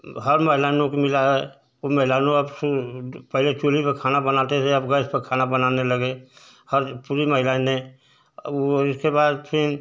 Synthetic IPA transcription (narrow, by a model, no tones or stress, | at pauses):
ɦəɾməɦɪlaːnõkimɪlaɦɛ | oməɦɪlaːnõɐbsupɛɦlet͡ʃoːlipekʰaːnabənaːt̪eseɐbɡəspəkʰaːnabənaːnelɐɡe | həɾpuɾiməɦɪlaːnẽ | ɪskebaːd̪pʰɪn